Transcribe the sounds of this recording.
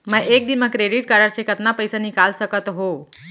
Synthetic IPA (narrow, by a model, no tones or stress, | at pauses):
mə̃ʔek̚d̪inməkɾeɖiʈ̚kəɾəɾsekət̪napəjsanikalsəkət̪ɦo